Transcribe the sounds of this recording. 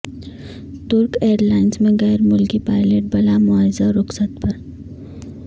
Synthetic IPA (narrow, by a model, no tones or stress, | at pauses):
t̪ʊɾkeːɾlaːɪnsmẽɣɛːɾmʊlkipaːɪleʈ̚bɐlamʊaːzaɾʊksət̪pɐɾ